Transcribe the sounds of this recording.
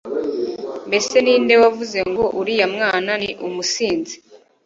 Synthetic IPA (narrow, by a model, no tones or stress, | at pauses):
mbe̞se̞niːnde̞wavuze̞ŋɡoʔuɾijamŋaːnaniʔumusiːnzi̥